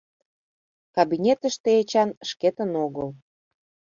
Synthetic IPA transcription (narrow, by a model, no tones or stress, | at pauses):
kɑβinʲet̪ə̆ʃt̪eet͡ɕɑnəʃket̪ə̆noɣəl